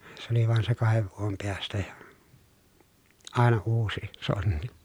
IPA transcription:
se oli ʋɑˑen se kɑheʋ ʋuom peræstæ jɑ ɑˑenɑ uːsi sonːi̥

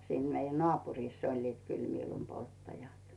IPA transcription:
siːn meijæ nŏɑˑpuriˑsː olʲliːt kyl miːlumpoltːɑjɑt

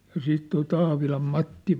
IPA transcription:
jɑ siːt toi tɑːʋilɑm mɑtːi

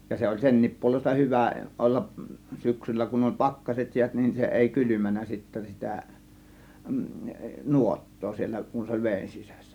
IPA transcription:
jɑ se olʲ senːiːp puolestɑ hyʋæ olːɑʔ syksylːæ kun olʲ pɑkːɑset jiæt nin se eˑi kylymænˑæ sitːæ sitæˑ nuotːoː sielˑæ kun se olʲ ʋeˑin sisæ̥sːæ̥

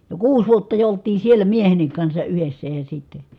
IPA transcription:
jo kuːs ʋuotːɑ jo oltˑiːn̞ sielːæ miehenːik kɑnsɑ ʔyhesːæ jɑ sitːe

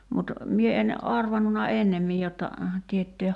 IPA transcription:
mut mie en ɑrʋɑnːunɑ enːemːij jotːɑ tietːeːh

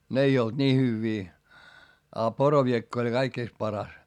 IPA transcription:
n ei old̥ nʲiː hyʋːiː ɑ poroʋiekː olʲ kɑikːiˑst pɑrɑs

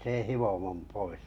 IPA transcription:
sen̞ hiʋomom pois

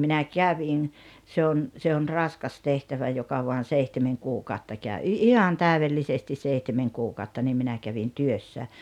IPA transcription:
minæ kæʋin se on se on rɑskɑs tehtæʋæ jokɑ ʋoɑn̞ seihtemeŋ kuːkɑˑotːɑ kæˑø i ihɑn tæˑuʋelːisestis seihtemeŋ kuːkɑˑotːɑ niːm minæ kæʋin tyøsːæ

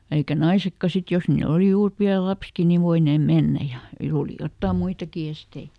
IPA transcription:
eikæ nɑisekːɑ sit jos niːl oli juːr piæl̆ lɑpski ni ʋoineːm menːæ jɑ oːli jotːɑˑm muitɑki estei

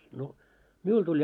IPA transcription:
no miul tulʲ

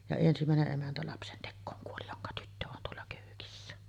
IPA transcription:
jɑ ensimæˑeneʔ ʔemæntæ lɑpsentekːoːŋ kuoli joŋkɑ tytːø on tuolːɑ køːkisːæ

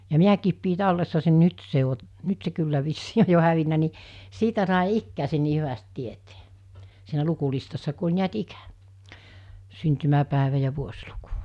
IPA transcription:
jɑ miækiːp piː tɑlːesːɑ sen nyt se o nyt se kylːæ ʋisːiː oj jo hæʋinːæ ni siːtæ sɑˑe ikːæːsen̆ niː hyʋæst tiete̥ː siːnæ lukulistɑsːɑ ku olʲ niæt ikæ̥ syntymæpæˑeʋæ jɑ ʋuosʲluku̥

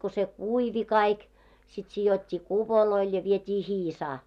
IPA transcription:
ko se kuiʋi kɑik sit sijotʲːiː kupoloil jɑ ʋietʲiː hiːsɑː

